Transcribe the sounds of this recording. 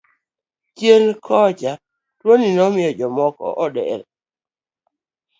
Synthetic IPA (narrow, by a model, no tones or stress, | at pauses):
t͡ʃjenkʰɔd͡ʒa | twoninɔmɪɔd͡ʒɔmɔkɔ̰ʔɔdɛ̰ɾ